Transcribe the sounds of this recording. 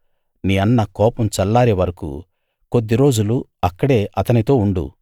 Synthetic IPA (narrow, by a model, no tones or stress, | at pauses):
niːɐnːɐkɔːpɐmt͡ʃɐlːaːɾeʋɐɾɐkṵ | ko̞d̪ːiɾo̞ːd͡ʒuluɐkːɐɽe̞ːʔɐt̪ɐnit̪o̞ːuɳɖṵ